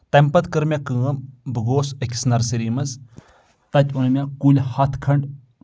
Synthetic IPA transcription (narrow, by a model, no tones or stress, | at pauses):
t̪ɐmpɐt̪kəɾmʲakɨːɐmbəɡoːsəkʰʲsnɐɾsiɾiːmɐs | t̪ɐt̪ʲʰunɐmʲjakulʲhɐt̪ʰkʰɐɳɖ